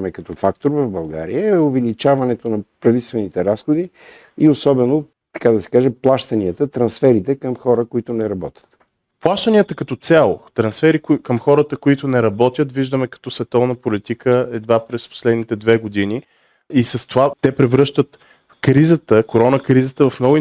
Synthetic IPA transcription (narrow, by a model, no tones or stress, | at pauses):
mɛkɐt̪ɔfakt̪oɾvəvbɐlˠɡa̰ɾḭjəɛovɛlit͡ʃavɐnɛt̪onɐpɾɐvit̪ɛst̪vɛnit̪ɛɾasxod̪i | iosɔbɛno | t̪ɐ̥kad̪ɐsɛ̥kaʒɛplˠaʃt̪ɐniət̪ət̪ɾɐnsfɛɾit̪ɛkəmxɔɾəkoit̪ʊnɛɾɐbɔt̪ʲjə̥t̪ | plˠaʃt̪əniət̪əkɐt̪ɔt̪sʲalˠo̰t̪ɾɐnsfɛɾikkəmxɔɾət̪əkoit̪ʊnɛɾɐbɔt̪jət̪viʒd̪əmɛkɐ̥t̪ɔsvɛt̪ɔvnəpolit̪ikʰəɛd̪vapɾɛspo̥slɛd̪nit̪ɛd̪vɛɡod̪ini | isɐst̪ovat̪ɛpɾɛvɾɤʃt̪ət̪ | kɾizət̪əkoɾɔnəkɾizət̪əvɐfnɔɡ